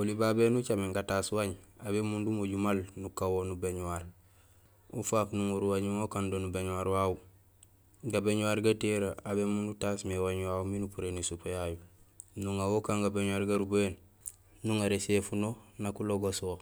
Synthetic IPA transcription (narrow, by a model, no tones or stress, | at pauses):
olibabenut͡ʃamiŋɡataswaɲaβemundumoɟumalnukawonubeɲwaɾ | ṵfaːknuŋuɾuwaɲimokandonubeɲuwaɾwau | ɡabeɲuwaɾɡateɾaabemundutasmewaɲwauminupuɾenisupejajunuŋawokaŋɡabeɲuwaɾɡaɾuboen | nuŋaɾesefunonakuloɡoswo